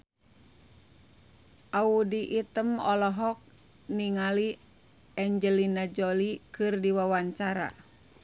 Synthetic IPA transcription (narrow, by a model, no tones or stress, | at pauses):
ʔaudiʔit̪əmɔlɔɦɔk̚ | niŋali | ɛɲd͡ʒəlinad͡ʒolikɨrdiwawaɲt͡ʃaɾa̰